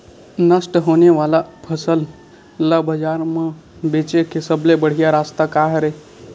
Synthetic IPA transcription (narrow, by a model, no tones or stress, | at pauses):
nəsʈɦoːneʋaːlapʰəsəl | labəd͡ʒaːɾmãbeːt͡ʃekʰesəblebəɽ̤ijaɾaːst̪akaːɦɾe